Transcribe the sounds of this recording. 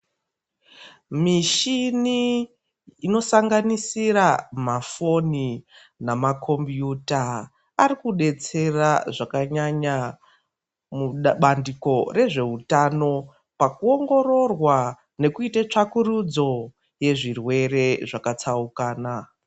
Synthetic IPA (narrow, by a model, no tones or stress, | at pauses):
miʃini | ino̞saŋɡanisiɾamafo̞ni | namakʰo̞mbjutaː | ɾikuɗe̞t͡se̞raʐakaɲaɲa | muɓandiko̞re̞ʐe̞utano̞ | pakuo̞ŋɡo̞ro̞rwa | ne̞kuitat͡ʂakurud͡zo̞ | je̞ʐirwe̞re̞ʐakat͡saukaːna